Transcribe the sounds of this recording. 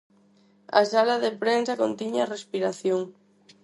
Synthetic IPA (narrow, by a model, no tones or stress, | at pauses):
a̰salaðepɾensɐkont̪iɲarespiɾaθjoŋ